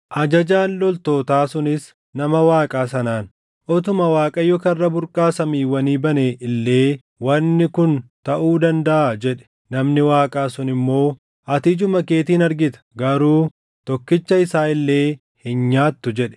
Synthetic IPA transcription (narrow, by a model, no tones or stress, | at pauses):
ʔɐd͡ʒɐd͡ʒaːnlɔlt̪oːt̪aːsʊnɪs | nɐmɐwaːkʼaːsɐnaːn | ʔɔt̪ʊmɐwaːkʼɐjɔkɐrːɐbʊɾkʼaːsɐmiːwːɐniːbɐneːʔɪlːe̞ː | wɐnːɪkʊnt̪ɐʔuːd̪ɐnd̪ɐʔad͡ʒɛᶑɛ̥ | nɐmnɪwaːkʼaːsʊnɪmːo̞ː | ʔɐt̪ɪd͡ʒʊmɐke̞ːt̪iːnɐɾɡɪt̪ɐ̥ɡɐɾuː | t̪ɔkːɪt͡ʃːɐɪsaːɪlːe̞ː | hɪnɲaːt̪ːʊd͡ʒɛᶑɛ̥